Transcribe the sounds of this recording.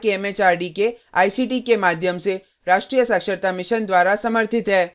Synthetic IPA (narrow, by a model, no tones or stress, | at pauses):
keɛmeːt͡ʃaːɾɖikea̰ːisiːʈikemaːd̪ʱjəmse | ɾaːʃʈɾiːjəsakʃəɾt̪amɪʃənd̪waːɾasɐməɾt̪ʰɪt̪ɦɛː